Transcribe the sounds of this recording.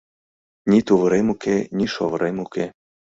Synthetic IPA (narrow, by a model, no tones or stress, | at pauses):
nʲit̪uʋɾemukenʲiʃo̰vɾemuke